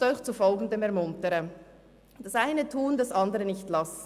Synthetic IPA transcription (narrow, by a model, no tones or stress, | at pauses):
ɔʏçt͡sufɔlɡn̩dəmɛɐʁmʊntəʁə | d̥ɑsʔaɪnətʰuːndasʔandəʁənɪçtlas